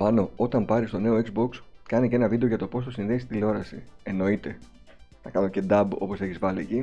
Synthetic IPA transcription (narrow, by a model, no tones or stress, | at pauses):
pɐno̞o̞t̪ɐmpɐɾist̪o̞ne̞oekzbo̞kskɐnice̞nɐvid̪e̞o̞ʝɐt̪o̞po̞st̪o̞sinðe̞ist̪ileo̞ɾɐsḭe̞no̞it̪e̞ | nɐkɐno̞ce̞d̪ɐbo̞po̞se̞çizvɐlieci